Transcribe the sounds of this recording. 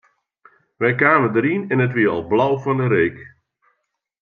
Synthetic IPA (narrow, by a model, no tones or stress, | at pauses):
ʋɛjkaːmədəɾinɛnətʋiəɔ̰lˠblawfɔndəɾeːk